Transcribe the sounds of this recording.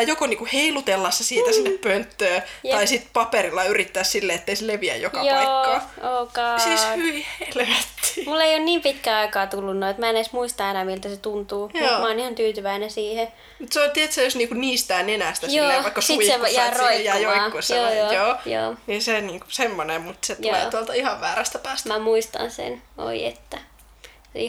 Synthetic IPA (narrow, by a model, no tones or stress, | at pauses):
jokoniːŋkuheilut̪elːɑsːɑsiːt̪æsinːeppønt̪ːøːt̪ɑisit̪pɑperilːɑyrit̪ːæːssilːeet̪ːeiseleʋiæ̰jjokkɑjoɑːɑoːkɑːseshyʋihelʋæt̪ːi̥mulːeionniːmpit̪kæːɑikɑːt̪ulːunnoiet̪mæenesmuist̪ɑenæmilt̪æset̪unt̪uːjutmɑonihɑnt̪yːt̪yʋæinæsiːhe | mut̪seolʲt̪iet̪sæjosniːŋkuniːst̪æːnenæst̪æsjoːeʋɑikːɑssiusejɑroiæjoɑːusjeoːjoːjoːjo̰ːninseniːŋkusemːonemmut̪set̪olḛt̪uolt̪ɑihɑʋʋæːɾæst̪æpæːst̪mæmuist̪ɑ̰nsḛno̰iḛt̪ːæ | ḭ